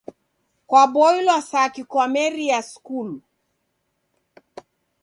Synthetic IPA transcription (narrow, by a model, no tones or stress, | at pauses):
kwabɔilwasakikwamɛɾiaskul